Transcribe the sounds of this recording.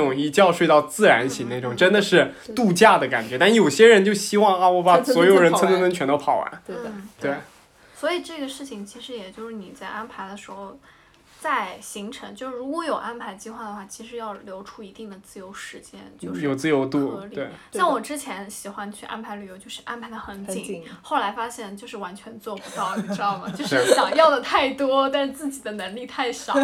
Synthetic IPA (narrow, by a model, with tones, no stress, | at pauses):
ʊ˨˩ŋi˥˩t͡ɕjɑ˥˧ʊʂwe˥˧ɑ˥˧ʊt͡sɹ̩˥˩ɻa˧˥nɕi˧˥ŋna˥˩ʈ͡ʂʊ˨˩ŋʈ͡ʂə˥nd̪ə˨ʂɻ̩˥˧t̪u˥˧t͡ɕja˥˩d̪ə˩ka̰˨˩nt͡ɕɥɛ˧˥t̪a˥˩jo˨˩ʊɕjɛ˥ɻə˧˥nt͡ɕjo˥˧ʊɕi˥wɑ˥˩ŋa˥˧wɔ˧˥ba˥˩swɔ˧˥jo˨˩ɻə˧˥nt͡sʰə˥nmə˧˥nə˧˥nt͡ɕʰɥɛ˧˥nt̪o˥ʊpʰɑ˨˩ʊwa̰˧˥nt̪we˥˩ɪ | swɔ˧˥i˨˩ʈ͡ʂɤ˥˩ɡə˩ʂɻ̩˥˩t͡ɕʰi˩ŋt͡ɕʰi˧˥ʂɻ̩˧˥jɛ˨˩t͡ɕjo˥˧ʊʂɻ̩˥˩ni˨˩t͡sa˥˩ɪʔa˥npʰa˧˥ɪd̪ə˧ʂɻ̩˧˥xo˥˧ʊ | t͡sa˥˩ɪɕi˧˥ŋʈ͡ʂʰɤ˧˥ŋt͡ɕjo˥˧ʊʂ̩˥˩ɻu˧˥kwɔ˧˥jo˨˩ʊʔa˥npʰa˧˥ɪt͡ɕi˥˧xwa˥˩d̪ə˩xwa˥˩t͡ɕʰi˧˥ʂɻ̩˧˥jɑ˥˩ʊljo˧˥ʊʈ͡ʂʰu˥i˧˥t̪i˥˩ŋd̪ə˩t͡sɹ̩˥˩jo˧˥ʊʂɻ̩˧˥t͡ɕjɛ̰˥nt͡ɕjo˥˧ʊʂɻjo˨ʊt͡sɹ̩˥˧jo˧˥ʊt̪u˥˧ɤ˧˥liwe˥˩ɪna˥˩wɔ˨˩ʈ͡ʂɻ̩˥t͡ɕʰjɛ˧˥nɕi˨˩xwa˥nt͡ɕʰy˥˩ʔa̰˥npʰa˧˥ɪly˨˩jo˧˥ʊt͡ɕjo˥˧ʂɻ̩˥˧ʔa˥npʰa˧˥ɪd̪ə˧xə˧˥nt͡ɕi˨˩˦ŋxo˥˩ʊla˧˥ɪfa˥ɕjɛ˥˩nt͡ɕjo˥˧ʂɻ̩˥˩wa˧˥nt͡ɕʰɥɛ˧˥nt͡swɔ˥˩pu˧˥t̪ɑ˥˩ʊ˩ʈ͡ʂɻ̩˥d̪ɑ˥˩ʊmə˩t͡ɕo˥˧ʊ˧ʂ̩˥˩ɕjɑ˨˩ŋjɑ˥˩ʊd̪ə˨˩t̪ʰa˥˩ɪt̪wɔ˥t̪a˥˧nʂɻ̩˥˧t͡sɹ̩˥˩t͡ɕi˨˩d̪ə˦nɤ˧˥ŋli˥˧t̪ʰa˥˩ɪɕɑ˨˩˦